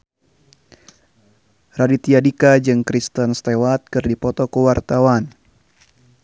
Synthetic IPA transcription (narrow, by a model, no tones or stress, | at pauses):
radit̪iadikad͡ʒɨŋkɾist̪ənst̪ewat̪̚kɨrdipɔt̪ɔkəwart̪awan